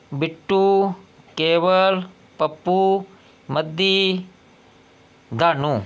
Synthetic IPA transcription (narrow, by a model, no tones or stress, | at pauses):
bɪʈːu | keːʋəl | pɐpːu | mɐd̪i | d̪ʱaːnũː